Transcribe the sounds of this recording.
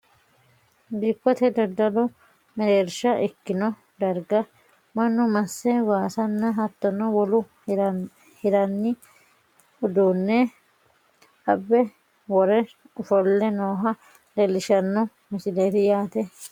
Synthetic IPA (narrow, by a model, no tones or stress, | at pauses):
d̪ikːɔt̪ɛd̪ɐd̪ːɐlɔ | mɛɾeːɾʃɐʔɛkːɪnɔ | d̪ɐɾɡɐ | mɐnːʊmɐsːɛwaːsɐnːɐɦɐt̪ːɔnɐwɔlʊ | hɪɾɐnːɪ | ʊd̪uːnːɛ | ɐbːɛ | wɔɾɛ | ʊfɔlːɛnoːɦɐ | d̪ɛlːɪʃɐnːɔ | mɪsɪleːt̪ɪjaːt̪ɛ